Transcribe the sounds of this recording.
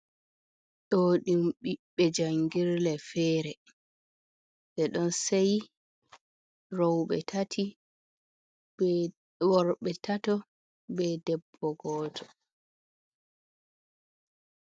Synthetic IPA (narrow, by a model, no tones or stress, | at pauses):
ɗoɗimɓiɓːɛd͡ʒaŋɡiɾlɛfɛːɾɛ | ɗɛɗɔnsaj | ɾɔwɓɛ̰tʰatʰi | wɔɾɓɛtʰatɔ | bɛdɛbːɔɡɔːtʰɔ